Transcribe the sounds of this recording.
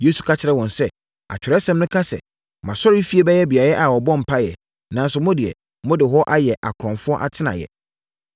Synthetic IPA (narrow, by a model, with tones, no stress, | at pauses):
je˦su˨kʰa˦t͡ɕʰɪ˦ɾɛ˦˨wɔ̃˨nsɛ˦ | a̰˨t͡ɕᶣʰɪ˨ɾɛ˦sɛ̃˦mnʊ̃˦kʰa˦sɛ̰˨ | mã˨sɔ˦ɾi˦fi˦e˦bɛ˦jɛ˦bi˨a˨ɾɛ˦ʔa˨wɔ˨bɔ̃˦m̩˨pʰa˦jɛ̰˨ | nã˨n̩˦sʊ˨˦mɔ̃˦dɪ˨ɛ̰˨ | mɔ̃˦dɪ˨ɦɔ˦ʔa˦jɛ˨ʔa˨kʰʊ˨ɾɔ̃˨nfʊ˦ɔ˦ʔa̰˦tʰɪ˦nã̰˨jɛ̰˨